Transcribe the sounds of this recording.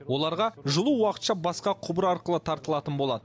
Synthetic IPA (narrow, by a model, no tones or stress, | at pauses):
wo̞lˠɑɾʁɑʒʊlˠəwɑqət̪ʃɑbɑsqɑqʰʊbəɾɑɾqəlˠət̪ʰɑɾt̪əlˠɑt̪ənbo̞lˠɑd̪ə